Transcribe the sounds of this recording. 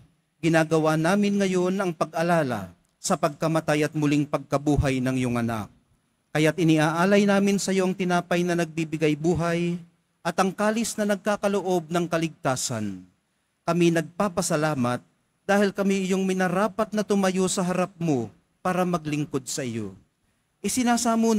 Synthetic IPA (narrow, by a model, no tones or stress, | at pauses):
ɡɪnaːɡɐwanaːmɪnŋɐjo̞nɐŋpɐɡʔɐlaːlɐ̰ | sɐpɐɡ̚kɐmɐt̪ajɐt̪̚mʊlɪŋpɐɡ̚kɐbuːɦɐjnɐŋjoŋɐna̰k̚ː | ɐjat̪ʔɪnɪʔaːʔaːlɐjnaːmɪnsɐjo̞ʔɐŋt̪ɪnaːpɐjnɐnɐɡ̚bibɪɡajbuːɦɐj | ʔɐt̪ɐŋkaːlɪsnɐnɐɡ̚kaːkɐloʔo̞b̚nɐŋkɐlɪɡ̚t̪aːsɐ̰n | kɐminɐɡ̚paːpɐsɐlaːmɐt̪̚ | d̪̥aːhɪlkɐmiɪjo̞ŋmɪnɐɾaːpɐt̪̚nɐt̪ʊmɐjo̞sɐɦɐɾap̚mo | paːɾɐmɐɡlɪŋko̞d̪̚sɐʔɪjo̰ | ʔɪsɪnaːsamu